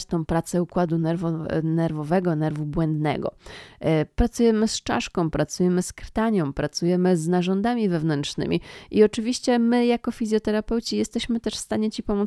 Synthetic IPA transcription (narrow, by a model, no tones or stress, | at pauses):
t͡ɕt̪ɔ̃w̃pɾat̪sɛukwad̪unɛɾvɔnɛɾvɔvɛɡɔnɛɾvubwɛnd̪nɛ̰ɡɔ̰ | pɾat̪sujɛmɘst͡ʂa̰ʂkɔ̃w̃pɾat̪sujɛmɘskɾt̪aɲjɔ̃w̃pɾat̪sujɛmɘznaʐɔnd̪amʲivɛvnɛntʂnɘ̰mʲḭʔiɔt͡ʂɘvʲiɕt͡ɕɛmɘjakɔfʲizʲjɔt̪ɛɾapɛwt͡ɕijɛst̪ɛɕmɘt̪ɛʂfst̪aɲɛt͡ɕipɔmus